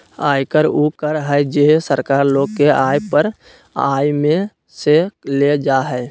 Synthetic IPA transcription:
aːjkəɾukəɾɦɛjd͡ʒeɦsəɾkaːɾloːɡ̚keaːjpəɾ | a̰ːjmẽ | seled͡ʒaɦɛ

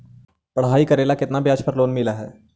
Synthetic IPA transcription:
pɐɽ̤ɦaːikɐɾeːlakɪt̪nabjaːt͡ʃpɐɾloːnmɪlaɦɛ̰ː

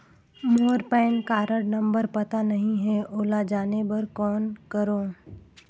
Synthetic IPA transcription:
moːɾpɛ̃ːnkaːɾəɽnɐ̃mbəɾpɐt̪anɐɦĩɦɛoːlad͡ʒaːnebɐɾkɔːnkəɾoː

